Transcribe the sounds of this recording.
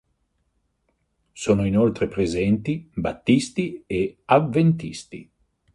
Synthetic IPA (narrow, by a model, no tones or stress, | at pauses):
soːnoinolt̪ɾepɾezɛnt̪ibat̪ːist̪ieavːent̪ist̪i